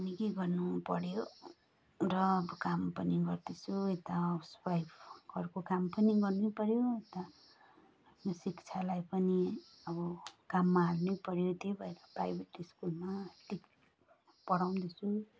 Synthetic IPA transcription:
ʌnikeɡʌrnupʌɾjo | rʌːbʌkampʌniɡʌrd̪it͡sʰuet̪aspajbkʌrkokampʌniɡʌrnepʌɾjoet̪aː | pʰnosikt͡sʰalajpʌni | ʌbʌkamːaɦalnepʌɾjot̪ebʱʌeɾʌpɾa̰jbʱeʈiskulmaʈik | pʌɽaw̃nd̪it͡sʰu

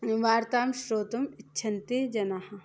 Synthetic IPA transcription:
ʋaːɾt̪aːmʃɾoːt̪ɐmɪtːʃʰɐnt̪id͡ʒɐnahɐ

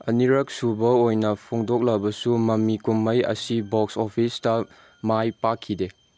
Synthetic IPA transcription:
ɐ̰niɾɐk̚subɐojnɐpʰoŋdok̚lɐbɐsumɐmːikumːɐjɐ̰sibok̚sopʰistɐ | majpakʰːide

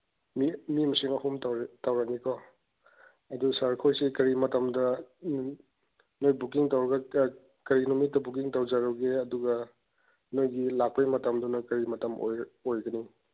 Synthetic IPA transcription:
mimimɐsiŋɐɦumttawɾɐknikʰɔ | ɐdusɐɾkʰojsikɐɾimɐtɐmdɐ | nojbukiŋtawɾɐɡɐ | kɐɾinumitːɐbuk̬iŋtawd͡ʒaɾɐwɡeɐduɡɐ | nojɡilak̚pɐjmɐtɐmdɐnojkɐɾimɐtɐmo̰jojɡɐni

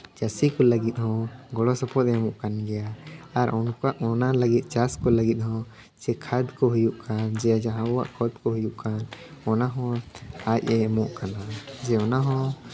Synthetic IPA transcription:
d͡ʒasikɔləɡit̪̚ˀhɔ̃ɡɔɽɔsɔpʰɔt̪̚ɛmɔʔkanɡɛjaːɾɔnkaʔɔnaləɡit̪̚ˀt͡ʃaskɔləɡit̪̚ˀhɔ̃ | d͡ʒɛkʰad̪kɔɦujuʔkand͡ʒɛd͡ʒaɦãɔwa̰ʔkʰɔd̪kɔɦujuʔkanɔnaɦɔ̃ac̚ˀɛmɔʔkanad͡ʒɛɔnaɦɔ̃

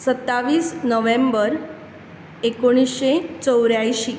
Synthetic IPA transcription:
sət̪ːaʋiːsnəʋẽmbəɾ | ekoɽ̃isɕet͡səwɾjajɕi

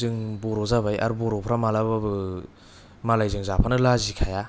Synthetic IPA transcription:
zɯŋbɔɾɔzaβaja̰ɾubɔɾɔpʰɾamalaba | malajzɯŋzapʰanɯlazikʰaja

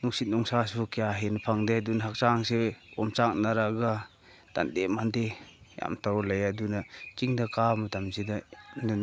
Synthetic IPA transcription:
nuk̚sit̚nɔŋsasukijaɦenapʰaŋdedunaɦak̚t͡ʃaŋseɔmt͡ʃak̚naɾaɡa | d̥a̰ndemandeja̰mtawlajadunat͡ʃiŋdakamatamzidanan

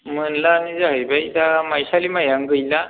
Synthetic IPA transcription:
m̤ənlaːnid͡zaɦəbajt̪amajɕalimajaŋɡəjla

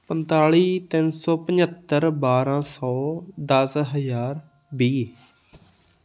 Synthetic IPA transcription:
pənt̪aːɭiːt̪ɪnsɔːpəɲət̪ːəɾbaːɾãːsɔːd̪əsɦəzaːɾ | biː

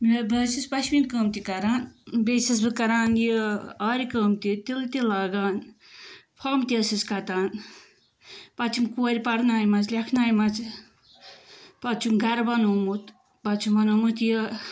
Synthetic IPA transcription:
bbɨsispɐt͡ʃʰminkəːmt̪ikɐɾaːnbesis̬bɨkɐɾaːnjəaɾikəːmt̪it̪ilɨt̪ilaːɡaːn | pʰɐːmt̪iɐsiskɐt̪aːn | pɐt͡ʃʰimkuːɐɾʲipɐɽnaːjmɐt͡slʲekʰnaːjmɐt͡s | pɐt͡ʃʰumɡɐɾbɐnumut̪ | bɐt͡ʃʰumbɐnumut̪jə

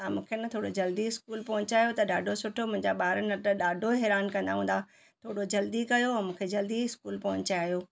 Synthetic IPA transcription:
ãːmũːkʰenɐt̪ʰoːɽod͡ʑɐld̪iɪskuːlpɐɦʊɲt͡ɕaːijot̪ɐɗaːɖʱosʊʈʰomʊ̃ɦɪ̃ɲd͡ʑaɓaːɾənɐʈɐɗaːɖʱoɦɛːɾaːnkɐ̃nd̪a̰ɦũːn̆d̪a | t̪ʰoːɽod͡ʑɐld̪ikɐjoɛ̃ːmũːkʰed͡ʑɐld̪iɪskuːlpɐɦʊ̃ɲt͡ɕaaːijoː

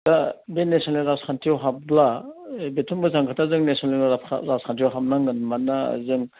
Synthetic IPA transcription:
tabenesɔnliɾaskʰantʰiɔwɦablabetʰumbɯzaŋkʰɯtʰazɯŋnesɔnlḭɾaskʰantijɔwɦamnaŋɯnmana̰zɯŋ

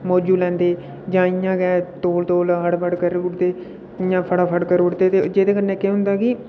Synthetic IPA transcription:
mɔːd͡ʒuːlɛ̃ːnd̪eː | d͡ʒãːɪjãːɡɛːt̪oːlt̪oːlɦəɽbəɽkəɾʊʈd̪eː | ɪjãːpʰəɽaːpʰəɽkəɾʊɽd̪eːt̪eːd͡ʒeːd̪eːkəɾneːkːeɦʊnd̪aːkɪ

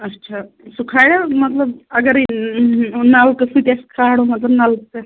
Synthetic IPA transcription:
ətːt͡ʃʰa | sukʰajɽamɐt̪ləbɐɡəɾi | nalkəsut̪askʰaɽomɐt̪lɐbnalkə

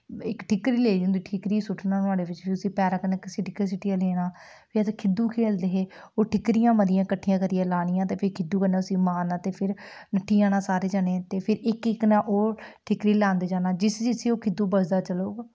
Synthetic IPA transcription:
ɪkʈʰɪkɾiːleːd͡ʒũnd̪iːʈʰɪkɾiːsʊʈʰnãːnʊaːɽeːʋɪt͡ʃpʰɪʊsĩːpɛːɾãːkəneːkɪsɪʈɪkəs̬ɪʈːijãːlɛːɽ̃aː | pʰɪət̪ːkʰɪd̪ːuːkʰeːld̪eːɦeː | oːʈʰɪkɾɪjãːməɾɪjãːkəʈʰːijãːkəɾijãːlaːɽ̃ɪjãːt̪eːpʰɪɾkʰɪd̪uːkənẽːʊsĩːmaːnaːt̪eːpʰɪɾnəʈʰːiːãːnãːsaːɾeːd͡ʒaːneːt̪eːpʰɪɾɪkɪknãːʔoːʈʰɪkɾiːlãːnd̪eːd͡ʒaːnaːd͡ʒɪsd͡ʒɪsiːoːkʰɪd̪ːuːbəsd̪aːt͡ʃəloːɡ

